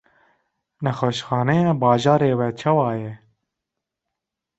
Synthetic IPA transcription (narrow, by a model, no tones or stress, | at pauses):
nɛxɛʃxɑːnɛjeːbɑːʒɑːɾeːwɛt͡ʃʰɑwɑːjɛ